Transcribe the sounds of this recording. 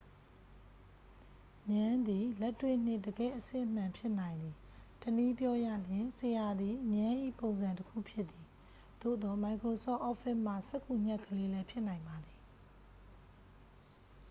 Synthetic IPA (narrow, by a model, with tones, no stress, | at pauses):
ɲã˦nd̪i˨lɛ˦tːwɪ̰̃˦˨n̥ɪ˦˨dəɡɛ̰˦˨ʔəsɪ̰̃˦ʔəm̥ã˨mpʰjɪ˦ʔnã˨ɪ̃nd̪i˨ | təni˦pjɔ˦jä̰˦˨ljɪ̃˨se˨ja˨d̪i˨ɲã˦ʔḭ˦˨põ˨ʊ̃nzã˨ntəkʰṵ˦˨pʰjɪ˦t̪ːi˨ | d̪̥o̰˦˨d̪ɔ˨ma˨ɪkɹo˨sɔ̰˦˨ʔɔ˦fɪ˦ʔm̥ä̰˦˨sɛ˦ʔkːu˨ɲ̥ɛ˦ʔkʰːəle˦lɛ˦pʰjɪ˦ʔnã˨ɪ̃mba˨d̪ði˨